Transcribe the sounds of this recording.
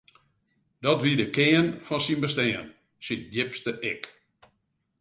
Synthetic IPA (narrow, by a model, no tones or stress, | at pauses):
dɔtʋiədəkɪənfɔnsinbəstɛːən | sindɪpstəʔɛk